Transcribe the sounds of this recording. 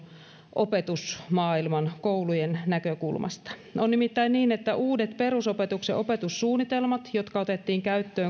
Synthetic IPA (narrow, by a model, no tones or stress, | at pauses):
ʔopet̪usmɑːilmɑnkoulujennækøkulmʔɑ̰st̪ɑ̥onːimit̪ːæinniːnet̪ːæʔuːdet̪pe̞ɾusopet̪ukseʔo̞pet̪usːuːnːit̪elmɑt̪jo̞t̪kɑot̪et̪ːiːŋkæyt̪ːøː